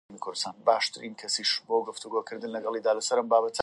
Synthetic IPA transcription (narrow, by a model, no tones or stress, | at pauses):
mikʰʊɾd̪ɨ̥st̪aːnbaːʃt̪ʰɨɾiːnkʰɐsiʃboɡʊft̪uɡokʰɨɾd̪ɨnlɐɡɑlˠid̪aːlɐsɐɾɐmbaːbɐt̪ʰə